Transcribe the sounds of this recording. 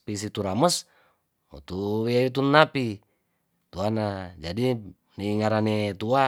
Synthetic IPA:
pisit̪uɾaməs | ṵt̪uweait̪unːapi | t̪uanad͡ʒadi | niːŋaɾanet̪ua

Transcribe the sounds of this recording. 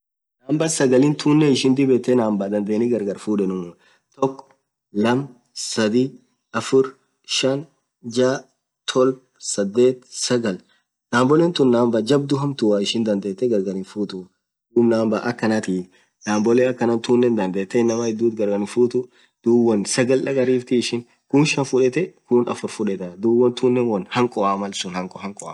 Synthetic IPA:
naːmbɐsɐɡɐlɪnt̪ʰuːnːɛɪʃɪnd̪ɪbɛt̪ːɛnaːmbad̪ɐnd̪eːnɪɡɐɾɡɐɾfuːᶑɛnʊmʊ | t̪ɔkːɔ̥ | lɐm | sɐd̪i | ɐfʊɾ | ʃɐn | d͡ʒaː | t̪ʰɔlb̚ | sɐd̪ːe̞ːt̪sɐɡɐl | naːmbɔlɛnt̪ʊnːaːmbɐd͡ʒɐb̚d̪ʊɦɐmt̪ʊwaːɪʃɪnd̪ɐnd̪eːt̪ːɛɡɐɾɡɐɾɪnfuːt̪ʊ | d̪uːbnaːmbaːʔɐkːɐnɐt̪iː | naːmbɔleɐkːɐnɐnt̪uːnːɛnd̪ɐnd̪eːt̪ːɛɪnːɐmɐhɪd̪ːuːt̪ɡɐɾɡɐnɪfuːt̪ʊ | d̪̥uːwːɐnsɐɡɐlᶑɐkʼɐɾiːft̪ɪːʃɪn | kʊnʃɐnfʊᶑɛt̪ɛkʊnɐ̰fʊɾfʊᶑɛt̪ɐd̪uːwːɐnt̪uːnːɛnwɐnhɐŋkʼɔaːmɐlsʊnhɐŋkʼɔhɐŋkʼɔʔa̰

